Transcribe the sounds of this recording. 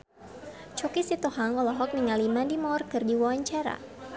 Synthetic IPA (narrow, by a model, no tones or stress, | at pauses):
t͡ʃɔkisit̪ɔhaŋɔlɔɦɔk̚niŋalimadimɔrkɨrdiwɔwaɲt͡ʃaɾa̰